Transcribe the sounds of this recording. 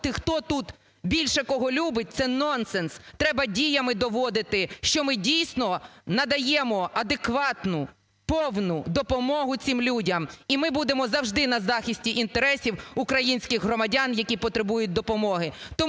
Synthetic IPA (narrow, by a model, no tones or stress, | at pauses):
t̪ɪxt̪ɔt̪ut̪ | bʲilʲʃɛkɔɦɔlʲubɪt̚ʲt̪sɛnɔnsɛnst̪ɾɛbɐdʲijɐmɪd̪ɔʋɔd̪ɪt̪ɪʃt͡ʃɔmɪdʲijsʲnɔnɐd̪ɐjɛmɔɐd̪ekʋɑt̪nʊ | pɔwnʊd̪ɔpɔmɔɦʊt͡sʲimlʲudʲɐmimɪbud̪emɔzɐwʒd̪ɪnɐzɑxʲisʲtʲiʔint̪eɾɛsʲiwukɾɐjinʲsʲkɪɣɦrɔmɐdʲɑnjɐkʲipɔt̪ɾebujʊt̚ʲd̪ɔpɔmɔɦɪt̪ɔ